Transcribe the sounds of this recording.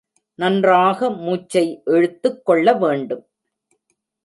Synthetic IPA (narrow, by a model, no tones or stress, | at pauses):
nɐndraːɣɐmuːt͡ʃːɐɪʔɛɻɯt̪ːɯkːɔɭːɐʋeːɳɖɯm